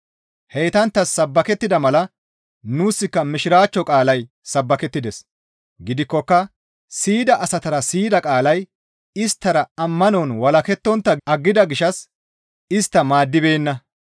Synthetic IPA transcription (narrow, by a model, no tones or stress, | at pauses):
hejt̪ɐnt̪ːɐsːɐbːɐkɛt̪ːɪd̪ɐmɐlɐ | nuːsːɪkːɐmɪʃɪɾaːt͡ʃːɔkʼaːlɐj | sɐbːɐkɛt̪ːɪd̪ɛs | ɡɪd̪ɪkːɔkːɐ | siːd̪ɐʔɐsɐt̪ɐɾɐsiːd̪ɐkʼaːlɐj | ɪst̪ːɐɾɐɐmːɐnɔːnwɐlɐkɛt̪ːɔnt̪ːɐɐɡːɪd̪ɐɡɪʃɐs | ɪst̪ːɐmaːd̪ːɪbe̞ːnːɐ